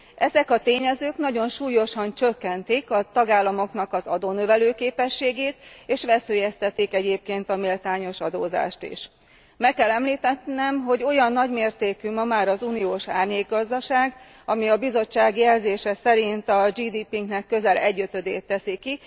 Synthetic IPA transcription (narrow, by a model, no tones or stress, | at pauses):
ʔɛzɛkɒt̪eːɲɛzøːknɒɟo̞nʃuːjo̞ʃɒnt͡ʃøkːɛnt̪ikɒt̪ɒɡaːlːɒmo̞kn̪ɒkɒzɒd̪oːnøvɛløːkeːpɛʃːeːɡeːt̪eːʃʋɛsøːjɛst̪ɛt̪ːikɛɟeːp̚keːnt̪ɒmilt̪aːɲo̞ʃɒ̰d̪oːza̰ːʃt̪ḭʃ | mɛkːɛlɛmliːt̪ɛt̪nɛmɦo̞ɟo̞jɒnːɒɟmeːrt̪eːkymɒmaːɾɒzunioːʃaːrɲeːɡːɒzd̪ɒʃaːɡ | ɒmiɒbizo̞t͡ʃːaːɡjɛlzeːʃɛsɛɾint̪ɒd͡ʒiːd̪iːpiŋɡnɛkːø̞zɛlʔɛɟːøt̪ød̪ḛːt̪ːɛsiki